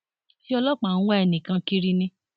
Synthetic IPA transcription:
fi˦ɔ˧lɔ˦k͡pã˨˦wɔ̃˦ɛ˧˨nĩ˨kã˧ki˦ɾi˧nĩ˧˦

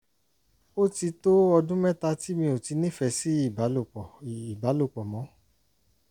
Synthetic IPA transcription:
o˦ti˧to˦ɔ˧dũ˦mɛ˦ta˧ti˦mĩ˧o˨ti˧nĩ˦fɛ˧si˦i˦˨ba˨˦lo˦˨k͡pɔ˨i˨ba˨˦lo˦˨k͡pɔ˨mɔ̃˨˦

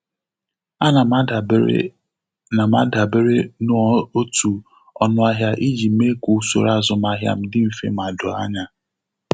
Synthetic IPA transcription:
a˦na˨˦˨ | na˨ma˦da˨be˦ɾe˦nʊ˦˨˦o˦tu˨ | ɔ˦nʊ˦a˦ɦja˦ʔi˦d͡ʒi˨˦me˦ku˨˦so̰˨ɾa˦zʊ˨ma˦ɦja̰˨m̩˦dɪ˦m̩˨fḛ˦m̩˨a˨dʊ̰˨a̰˦ɲa˦

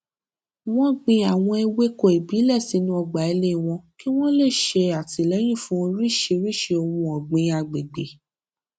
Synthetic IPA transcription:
w̃ɔ̃˦ɡ͡bĩ˧a˨w̃ɔ̃˧e˧we˦ko˦˨e˨bi˨˦lɛ˦˨si˨˦nũ˦ɔ˧ɡ͡ba˨e˧le˦˨w̃ɔ̃˧ki˦w̃ɔ̃˦le˦˨ʃe˧a˨ti˧˨lɛ˨˦j̃ĩ˦˨fũ˦o˧ɾi˦˨ʃe˧ɾi˦˨ʃe˧o˧wũ˧ɔ˨ɡ͡bĩ˧a˨ɡ͡be˨ɡ͡be˨

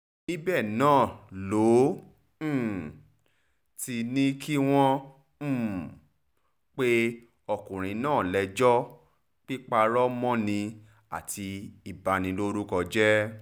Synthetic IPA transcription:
i˦bɛ˦˨nãː˦˨lõ˨˦˨ | ti˧nĩ˦kʰi˦w̃ɔ̃˦˨ | k͡pe˦ | ɔ˧˨kũ˨ɾ̃ĩ˨˦nãː˦˨lɛ˧d͡ʒɔ˦ | k͡pi˦k͡pa˧ɾɔ˦mɔ̃˦nĩ˧ | a̰˦˨tʰi˧i˨ba˧nĩ˧lo˦ɾu˦kɔ˧d͡ʒɛ˦

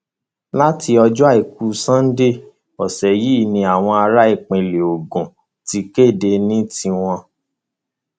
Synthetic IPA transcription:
la˦ti˧ɔ˧d͡ʒɔ˦a˦˨i˨k̚u˨˦sã˦n̩˦de˦˨ | ɔ˨sɛ˨ji˨˦˨nĩ˧a˨w̃ɔ̃˧a˧ɾa˦i˦˨k͡pẽ˨le˨o˨ɡũ˨ | ti˧ke˦˨de˧nĩ˦tĩ˧w̃ɔ̃˧

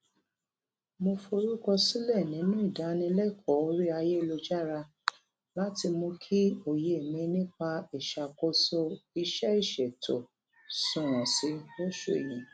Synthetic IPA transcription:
mo˧fo˧ɾu˦kɔ˧si˦lɛ˦˨nĩ˨˦nũ˦i˦˨da˨˦nĩ˧lɛ˦˨kʰɔ˨˦o˧˦ɾi˦a˧je˦˧lo˧d͡ʒa˦ɾa˧ | la˦ti˧mõ˧kʰi˦o˨je˨e˨mĩ˨˧nĩ˦k͡pa˧i˨ʃa˨ko˧so˧i˧ʃɛ˦i˦˨ʃɛ˨to˨ | sũ˨ɾ̃ɔ̃˨si˨˦ɾo˦ʃo˦˨ḛ˨jĩ˨

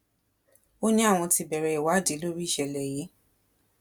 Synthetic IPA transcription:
o˦nĩ˦a˦˨w̃ɔ̃˧ti˧bɛ˨ɾɛ˨˧i˨wa˨˦˨di˨˦lo˦ɾi˦i˦˨ʃɛ˨lɛ˨je˨˦

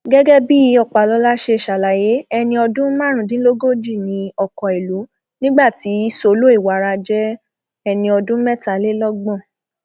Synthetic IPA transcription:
ɡɛ˦ɡɛ˦bi˦˨˧ɔ˦˨k͡pa˨lɔ˧˦la˦ʃe˧˨ʃa˨la˨je˨˦ɛ˧nĩ˧ɔ˧dũ˦mã˦˨ɾ̃ũ˨dĩ˦lo˦ɡo˦d͡ʒi˦˨nĩ˧˦ɔ˨kɔ˨i˨lu˨˦ | nĩ˦ɡ͡ba˦˨ti˨˦so˧lo˦i˦˨wa˨˦ɾa˧d͡ʒɛ˦ | ɛ˧nĩ˧ɔ˧dũ˦mɛ˦˨ta˨˦le˦lɔ˦ɡ͡bɔ̃˦˨

